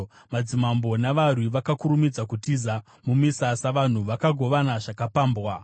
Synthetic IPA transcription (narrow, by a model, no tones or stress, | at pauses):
mad͡zimambo̞naʋarwiʋakakuɾumid͡zakutiza | mumisasaʋan̤uʋakaɡʱo̞ʋanaʐakapaːmbwa